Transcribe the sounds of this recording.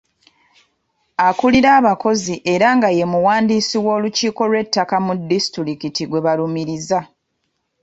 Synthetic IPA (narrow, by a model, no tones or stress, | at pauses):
akuliɾaːβako̞ziʔe̞ɾaŋɡaje̞muwaːndisiwo̞ːluciːko̞lwe̞tːakamudːistiɾikitiɡwe̞βalumiɾiza